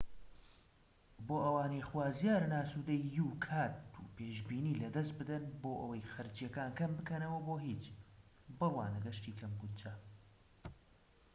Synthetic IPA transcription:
boːʔɐwaːnexwaːzjaːɾnaːsuːd̪ɐjːuːkʰaːt̪ṵːpeːʒbiːniːlɐd̪ɐst̪̚bɨd̪ɐnboːʔɐwɐjxɐɾt͡ʃijɐkaːnkɐmbɨkɐnɐwɐboːɦiːt͡ʃ | bɨrwa̰ːnɨɡɐʃt̪iːkʰɐmɡut̪t͡ʃa

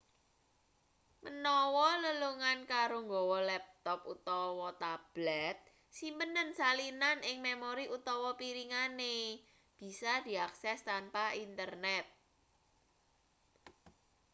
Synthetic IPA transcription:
mənɔwɔləluŋankaɾoŋɡɔwɔlɛp̚t̪ɔput̪ɔwɔt̪ab̥lɛt̪̚ | simpənənsalinanʔɪŋmemoɾiʔut̪ɔwɔpiɾiŋane | b̥i̤sad̪̥i̤aksɛst̪anpaint̪ərnɛt̪̚

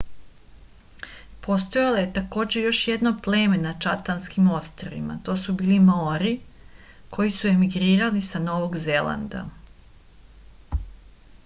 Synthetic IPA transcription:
po̞st̪ojalˠoje̞t̪ako̞ːd͡ʑe̞jo̞ʃjed̪no̞ple̞ːme̞nat͡ʃat̪anskimo̞st̪ɾoʋḭma̰t̪o̞ːsubiːlimoɾi | kʰo̞jisue̞miɡɾiːɾalisano̞ːʋo̞ɡze̞lˠa̰nd̪a̰

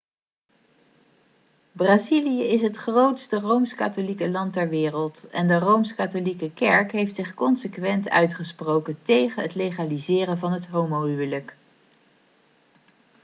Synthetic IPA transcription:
braːzilijəɪsɦətχrowtstərowmska̰tolikəlɑntɛɹʋɪːrəlˠtɛ̰ndərowmskatolikəkɛɹkɦejftsɪχkɔnsəkʋɛntœ̰ɥtχəsprowkəntejχənɦətlejχaːlizɪːrənvɑnɦətɦowmoɦywələk

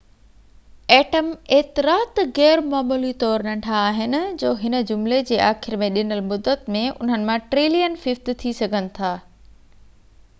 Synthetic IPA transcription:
ɛːʈəmeːt̪ɪɾaːt̪ɣɛːɾmaːmuːlit̪ɔːɾnɐ̃ɳʈʰaːɦɪnɪ̆d͡ʑoːɦɪnə̆d͡ʑʊmled͡ʑeːaːxɪɾmẽɗɪnəlmʊd̪ːət̪mẽʊ̰n̤ənɪ̆mãʈɾiːlijənfɪft̪t̪ʰisɐɡʱənɪ̆t̪ʰaː

